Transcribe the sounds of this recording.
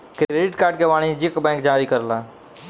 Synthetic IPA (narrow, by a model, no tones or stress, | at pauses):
kɾɾeːɖɪʈkaːɾɖ̚keʋaːɽ̃id͡ʒɪkbɛ̃ːŋk̚d͡ʒaːɾikəɾlaː